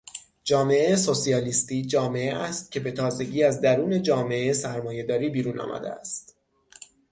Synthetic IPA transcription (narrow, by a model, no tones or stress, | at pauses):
d͡ʒɒːme̞ejeso̞siɒːliːst̪iːd͡ʒɒːme̞eʔæst̪̚cʰe̞be̞t̪ʰɒːze̞ɟiːæzd̪æɾuːne̞d͡ʒɒːme̞ʔesæɾmɒːje̞d̪ɒːɾiːbiːɾuːnɒ̰ːmʔæ̰d̪ḛæ̰st̪